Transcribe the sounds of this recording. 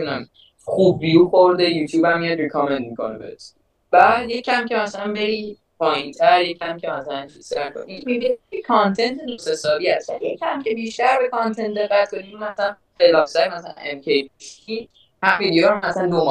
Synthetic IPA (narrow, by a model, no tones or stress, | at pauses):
næm | xub̚ːijuxoɾd̪ejuːt̪ʰjuːbhæmːijæd̪rikʰɒmend̪̚mikʰo̰nebḛt̪ | b̥æd̪jecʰæmcʰe̞mæsælænbeɾi | pʰɒːjĩnt̪ʰæɾjecʰæmcʰemæsælænt͡ʃʰisæɾkʰo̰nimibiniekʰɒnt̪ʰent̪ʰnosesɒːɾiæst̪bæljecʰæmcʰebiːʃt̪æɾbekʰɒnt̪ʰent̪̚d̪e̞ɣːæt̪̚kʰoniumæsalæn | elɒːfsæɾmæsælæ̰nemkʰejbi | hæfid̪ijeɾmæslænd̪om